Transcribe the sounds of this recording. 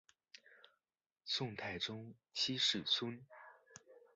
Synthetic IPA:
sʊ˥˧ŋt̪ʰa˥˧ɪʈ͡ʂʊ˥ŋ | t͡ɕʰi˥ʂɻ̩˥˩t͡sʰə˥n

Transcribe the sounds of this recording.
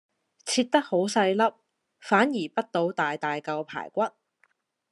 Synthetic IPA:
t͡sʰiː˧t̚t̪ɐ˥k̚ho˨˥wsɐ˧jlɐ˥p̚ | faː˨˥njiː˨˩pɐ˥t̚t̪o˨˧wt̪aː˨jt̪aː˨jkɐ˧wpʰa̰ː˨˩jkʷɐ˥t̚

